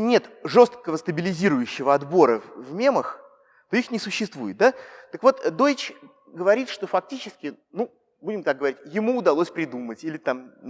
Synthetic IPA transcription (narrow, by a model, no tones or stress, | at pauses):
nʲe̞t̪ʐo̞st̪̚kəvəst̪əbʲɪlʲɪzʲiɾʊjʉɕːɪvəɐd̪bo̞ɾəvvmʲe̞məx | t̪o̞ixnʲɪsʊɕːɪst̪vujɪt̪̚d̪at̪əkvo̞t̪d̪o̞ɪt͡ɕ | ɡəvɐɾʲit̪ʂt̪o̞fɐk̚tʲit͡ɕɪskʲɪ | nu | budʲɪmt̪ak̚ɡəvɐɾʲitʲjɪmuːd̪ɐlˠosʲpɾʲɪd̪umətʲilʲɪt̪am